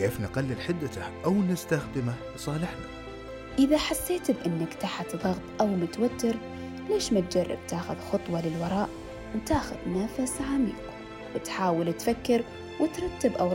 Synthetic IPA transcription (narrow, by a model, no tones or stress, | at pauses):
keːfnaqɑlːɪlħɪd̪ːat̪ahʔawnɪst̪axd̪ɪma | sˤɑːlɪħna | ʔɪðaħasːeːt̪bʔɪnːɪkt̪aħat̪ðˤɑɣt̪ˤʔawmʊt̪awat̪ːɪɾ | leːʃmat̪̚d͡ʒɑrˤːɑ̰b̚t̪aːxʊðxʊt̪ˤwɑlɪlwɑɾˤɑːʔ | wt̪aːxʊ̰ðnafasʕamḭːq | wɪt̪ħaːwɪlt̪fakːɪɾ | wɪt̪ɾˤɑt̪ːɪbʔaw